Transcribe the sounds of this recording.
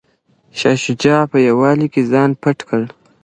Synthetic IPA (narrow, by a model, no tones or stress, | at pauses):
ʃɑʃʊd͡ʒɑpəjawɑlikezɑːnpaʈkʰəl